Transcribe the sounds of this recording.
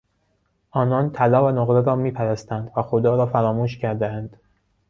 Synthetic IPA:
ʔɒːnɒːnt̪ʰælɒːvænoɣɾeɾɒːmiːpʰæɾæst̪ænd̪væxod̪ɒːɾɒːfæɾɒːmuːʃcʰæɾd̪eænd̪̥

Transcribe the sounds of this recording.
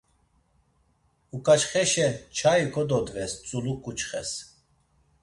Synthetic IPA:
ukʼat͡ʃχɛʃɛt͡ʃʰaikʰɔd̪ɔd̪vɛst͡sʼulukʼut͡ʃχɛs

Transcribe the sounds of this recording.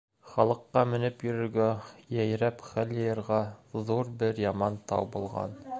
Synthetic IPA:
χɑlˠɤ̆qːɑmɘ̆nɘpjɵ̆ɾɵ̆ɾɡæjæj̆ɾæpχæljɤ̆jɤ̆ɾʁɑðuɾbɘɾjɑmɑnt̪ɑ̰wbulˠʁɑ̰n

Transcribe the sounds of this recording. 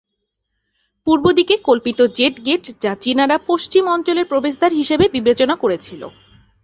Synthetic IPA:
puɾbod̪ikekolpit̪od͡ʑeʈɡeʈd͡ʑat͡ɕinaɾapoʃt͡ɕimɔnt͡ɕoleɾpɾobeʃ̬d̪ʱaɾɦiʃebebibet͡ɕonakoɾet͡ɕʰilo̰

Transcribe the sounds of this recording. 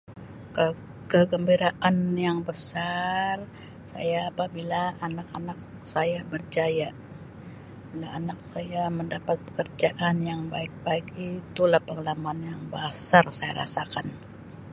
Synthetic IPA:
kə | kəɡəmbiɾaʔanjaŋbəsar | sa̰jaːpabilaanakanak̚ | sajabərd͡ʒaja | bilaanak̚sajaməndapat̪̚pə̥kərd͡ʒaʔanjaŋbaɪk̚baɪkit̪ulahpəŋalamanjaŋbasarsaja̰ɾa̰sakan

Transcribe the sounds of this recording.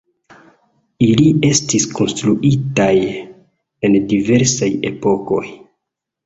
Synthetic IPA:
ilie̞stisko̞nstɾuʔitaj | e̞ndive̞ɾsaje̞̰po̞ko̞̰j

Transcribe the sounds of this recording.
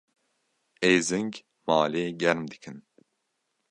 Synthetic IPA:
eːzɨŋɡ | maːleːɡɛɾmd̪ɨkʰɨn

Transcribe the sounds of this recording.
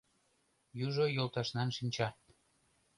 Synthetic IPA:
juʒojolˠt̪ɑʃnɑnʃinʲt͡ɕɑ

